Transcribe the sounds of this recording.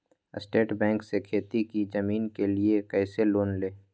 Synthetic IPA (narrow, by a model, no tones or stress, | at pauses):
ɪ̰sʈeːʈbɛ̃ːŋksekʰeːt̪ikid͡ʒɐmiːnkeliekɛːseloːnleː